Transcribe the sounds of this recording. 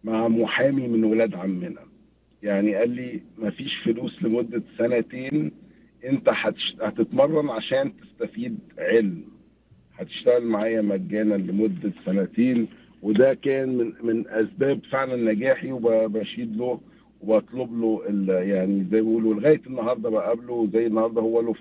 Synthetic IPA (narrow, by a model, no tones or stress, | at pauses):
maʕamoħaːmimenwelæːd̪ʕamːenæ | jaʕniʔælːimæfiːʃfoluːslemod̪ːæsænæt̪eːn | ʔent̪æħæt̪ʃhæt̪et̪mɑrˤːɑnʕaʃæːnt̪e̥st̪æfiːd̪ʕelm | ħæt̪e̥ʃt̪æɣælmaʕaːjæmæɡːæːnælemod̪ːæsænæt̪eːn | wed̪ækæːnmenmenʔæsbæːbfeʕlænːæɡæːħiwebæbæʃiːd̪lo | webæt̪ˤlobloʔeljaʕnizæjːbiʔuːloleɣæːjet̪enːɑhɑɾˤd̪ˤɑbæʔæblowezæjːenːɑhɑɾˤd̪ˤɑhowːælof